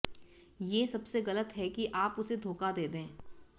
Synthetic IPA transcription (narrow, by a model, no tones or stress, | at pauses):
jeːsɐbseɣɐlət̪ɦɛkiʔaːpʊsed̪ʱoːkad̪eːd̪ẽː